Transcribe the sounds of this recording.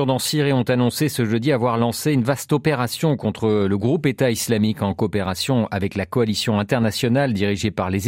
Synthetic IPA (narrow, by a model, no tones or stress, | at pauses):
ʁd̪ɑ̃siʁiɔ̃t̪anɔ̃sesəʒəd̪iavwaʁlɑ̃seynvast̪ɔpeʁasjɔ̃kɔ̃t̪χələɡʁupet̪aislamikɑ̃kɔːpeʁasjɔ̃avɛklakɔalisjɔ̃ɛ̃t̪ɛʁnasjɔnald̪iʁiʒepaʁle